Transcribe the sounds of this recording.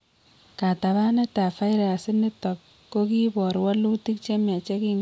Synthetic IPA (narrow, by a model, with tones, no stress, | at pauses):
ka˨ta˨βa˦ne˦ta˨fa˦ɪɾa˨a˨sɪ˦nɪ˦tɔ˨kː | o˦ki˦bɔ˨ɾwa˦lu˦ti˦k̚t͡ʃe˦ma˨t͡ʃe˦ki˦ŋ